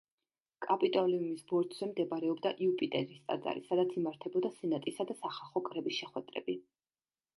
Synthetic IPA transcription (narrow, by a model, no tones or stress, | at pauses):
kʼapʼit̪ʼɔliumisbɔɾd̪ʰzɛmd̪ɛbaɾɛɔbd̪aʔiupʼit̪ʼɛɾist̪ʼa̰d̪za̰ɾisad̪at̪sʰimaɾt̪ʰɛbɔd̪asɛnat̪ʼisad̪asaχalˠχɔkʼɾɛbisʃɛχwɛd̪ɾɛ̰bi